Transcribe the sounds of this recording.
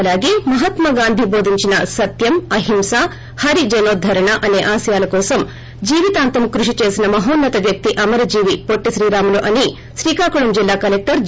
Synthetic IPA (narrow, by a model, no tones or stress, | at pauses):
laːɡeːmɐɦɐt̪mɐɡaːnd̪ʱiboːd̪ʱiɲt͡ʃinɐsɐt̪jɐmɐɦimsa | hɐɾid͡ʒɐnoːd̪ʱɐɾɐɳɐʔɐneːʔaːsɐjaːlɐkɔːsɐm | d͡ʒiːʋit̪aːnt̪ɐmkɾuʂit͡ʃeːsinɐmɐɦoːnːɐt̪ɐʋjɐk̚t̪iʔɐmɐɾɐd͡ʒiːʋipoʈːisɾiːɾaːmuluʔɐni | ʃɾiːkaːkuɭɐmd͡ʒilːaːkɐlek̚ʈɐɾ